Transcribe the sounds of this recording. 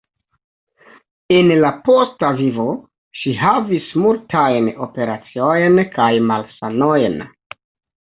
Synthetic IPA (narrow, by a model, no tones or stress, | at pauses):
enlapo̞stavivo̞ | ʃiɦavismultʰajno̞̰pe̞ɾat͡siojnkajmalsanojn